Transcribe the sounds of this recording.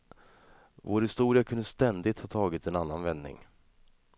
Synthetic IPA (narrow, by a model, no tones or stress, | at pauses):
voːɾhɪst̪uːɾɪakʰɵnəst̪ɛnd̪ɪt̪hɑːt̪ʰɑːɡɪt̪ɛnanːanvɛnːɪ̰ŋ